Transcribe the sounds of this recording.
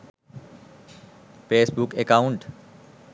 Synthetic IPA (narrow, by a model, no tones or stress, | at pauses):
feːsbukekauɳʈ